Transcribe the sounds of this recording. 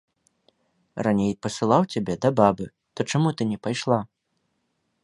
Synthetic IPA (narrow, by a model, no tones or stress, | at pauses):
ranʲejpɐsɨlˠawt͡sʲabʲɛd̪ɐbabɨ | t̪ɔt͡ʂamut̪ɨnʲɛpajʂlˠa